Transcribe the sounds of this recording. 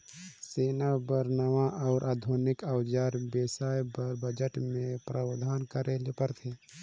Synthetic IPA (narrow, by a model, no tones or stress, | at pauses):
seːnabəɾnaʋãʔɔːɾʔaːd̪ʱonɪkawd͡ʒaːɾbeːsaːjbəd͡ʒəʈmẽpɾʔaːbd̪ʱaːnkəɾelepəɾt̪ʰeː